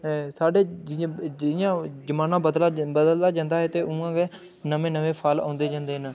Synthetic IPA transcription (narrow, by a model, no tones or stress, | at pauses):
saːɖeːd͡ʒɪ̃ɪjãːd͡ʒəmaːnãːbəd̪labəd̪əld̪aːd͡ʒãːnd̪aːɦɛːt̪eːũãːɡe | nəʋẽːnəʋeːpʰaːlã̰ːnd̪eːd͡ʒãːnd̪eːnː